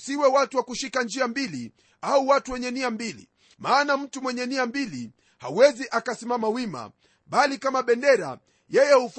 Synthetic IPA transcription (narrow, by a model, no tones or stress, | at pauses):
siwɛwatuwakuʃikand͡ʒiambili | auwatuwɛɲɛniambilḭ | maːnam̩tumwɛɲɛniambili | hauwɛziʔakasimamawima̰ | ɓalikamaɓɛndɛɾa̰ | jɛjɛhuf